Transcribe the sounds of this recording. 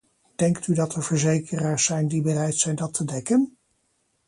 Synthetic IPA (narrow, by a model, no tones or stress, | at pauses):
d̥ɛŋktydɑtəɹv̥əɹzejkʰəraːɹsɛjndibərɛjtsɛjndɑtʰədɛkən